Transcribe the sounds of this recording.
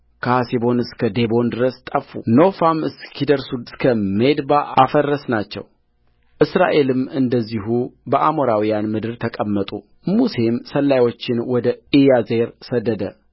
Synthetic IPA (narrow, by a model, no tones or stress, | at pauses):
kʰasibo̞nɨskʰəd̪e̞bo̞nd̪ɨɾəst̪ʼəfːṵno̞famɨskʰid̪əɾsuɨskʰəmed̪baa̰fərːəsnat͡ʃːɛ̰w | ʔɨsɾa̰ʔe̞lɨmɨnd̪əzːiɦubəʔamo̞ɾawijanmɨd̪ɨɾt̪ʰəkʼəmːət̪ʼu | muse̞msəlːajwo̞t͡ʃːɪnwɔd̪əijaze̞ɾsəd̪ːəd̪ə